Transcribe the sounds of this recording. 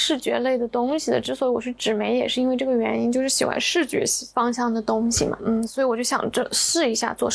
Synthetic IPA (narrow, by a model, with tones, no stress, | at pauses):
ʂɻ̩˥˩t͡ɕɥɛ̰˧˥le˥˩ɪd̪ə˩t̪ʊ˥ŋɕi˨˩d̪ə̰˩ʈ͡ʂɻ̩˥swɔ˧˥i˧˥wɔ̰˨˩t͡ɕʰy˥˩ʈ͡ʂɻ̩˨˩me˧˥ɪjɛ˨˩ʂɻ̩˥˩i˥nwe˥˧ɪʈ͡ʂɤ˥˩ɡə˩ɥɛ˧˥ni˥nt͡ɕjo˥˧ʊʂɻ̩˥˩ɕi˨˩xwa̰˧˥nʂɻ̩˥˩t͡ɕɥɛ̰˧˥˧fɑ˥ŋɕjɑ˥˩ŋd̪ə˩t̪ʊ˥ŋɕḭ˨˩mɐ̰˩n̩˩swɔ˧˥i˧˥wɔ˨˩t͡ɕjo˥˩ɕjɑ̰˨˩ŋʈ͡ʂə˥˧ʂɹ̩˥˩i˧˥ɕja̰˥˧t͡swɔ˥˩